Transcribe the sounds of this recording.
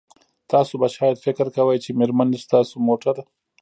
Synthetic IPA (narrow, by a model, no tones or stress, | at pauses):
t̪ɑːsobaʃɑːjad̪fɪkɾkɐwəjt͡ʃemeɾmanist̪ɑːsomoːʈaɾa